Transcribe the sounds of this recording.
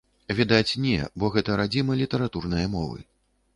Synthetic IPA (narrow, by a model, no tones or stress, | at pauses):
vʲid̪at͡sʲnʲɛ̰bɔɣɛt̪ɐɾad͡zʲimɐlʲit̪ɐɾat̪urnɐjɐmɔvɨ̰